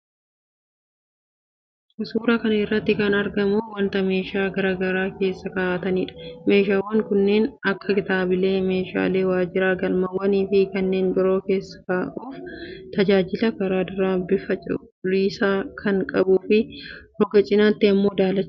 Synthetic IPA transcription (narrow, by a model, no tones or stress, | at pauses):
ʔʊsuːɾɐkɐnɐɪrːɐt̪ːɪkɐnɐɾɡɐmuːwɐnt̪ɐme̞ːʃaːɡɐɾaːɡɐɾaːke̞ːsːɐkɐʔaːt̪ɐniːᶑɐme̞ːʃaːwːɐŋkʊnːe̞ːnɐkːɐkɪt̪aːbɪle̞ːme̞ːʃa̰ːle̞ːwaːd͡ʒɪɾaːɡɐlmɐwːɐniːfɪkɐnːe̞ːnbɪɾo̞ːke̞ːsːɐ̥kaːʔuːft̪ɐd͡ʒaːd͡ʒɪlɐkɐɾaːd̪ʊɾaːbɪfɐt͡ʃʼ | liːsaːkʰɐŋkʼɐbuːfɪhɔɡɐt͡ʃʼɪnaːt̪ːɪɐmːo̞ːd̪aːlɐt͡ʃː